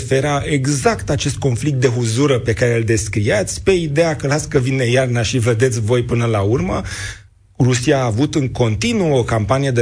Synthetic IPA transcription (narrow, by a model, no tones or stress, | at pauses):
feɾaʔe̞ɡzakt̪at͡ʃe̞st̪̚ko̞nflik̚t̪̚d̪e̞ɦuzuɾəpe̞kaɾe̞ɨld̪e̞skɾijat̪sʲpe̞id̪ejakəlat̪skəvine̞jarnaʃived̪e̞t̪sʲvo̞jpɨnəlaurmə | rusiaːvut̪ɨŋko̞nt̪inuəokampanije̞d̪e